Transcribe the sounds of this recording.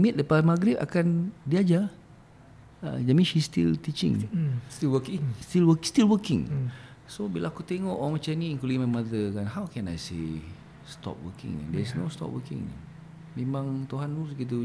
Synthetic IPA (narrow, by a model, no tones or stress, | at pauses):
mit̪̚lapamaɡɾipa̰kandiad͡ʒa | ə̰d͡ʒamĩʃist̪ḭlt̪it͡ʃiɪ̰̃ŋiwəst̪ilwəst̪ilwəkɪ̃ŋsobilaakut̪eŋɔʔoaŋmat͡ʃamnĩiŋkulimãmaðəkanhawkɛ̃na̰jse | st̪ɔ̰p̚wə̰kɪ̰̃ŋa̰d̪ɛɹisno̰st̪ɔ̰p̚wʔə̰kɪ̰̃ŋnḭ | mẽmãŋt̪uɦanusɡit̪̬u